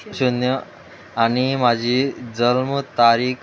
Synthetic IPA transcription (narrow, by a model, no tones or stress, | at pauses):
ɕunjə | aɽ̃imad͡ʑʱid͡zəlmət̪aɾiːk